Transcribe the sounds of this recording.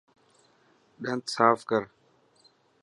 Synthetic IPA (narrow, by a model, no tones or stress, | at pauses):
ɗə̃nt̪saːfkəɾ